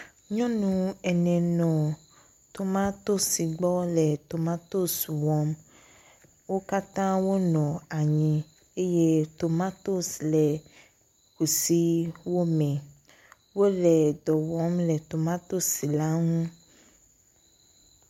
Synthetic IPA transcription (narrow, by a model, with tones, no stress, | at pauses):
ɲɔ̃˦nũ˨ɛ˨nɛ̃˨nɔ̃˨ | t̪o˨mã˦t̪o˦si˨ɡ͡bɔ˦lɛ˨t̪o˨mã˦t̪o˦swɔ˨˦m | wo˦ka˦t̪ã˦wo˦nɔ̃˨a˨ɲĩ˦ | e˦je˦t̪o˨mã˦t̪o˦slɛ˨ | ku˨si˦wo˦mɛ̃˨ | wo˦lɛ˨dɔ˨wɔ˨˦mlɛ˨t̪o˨mã˦t̪o˦si˨la˦ŋũ˦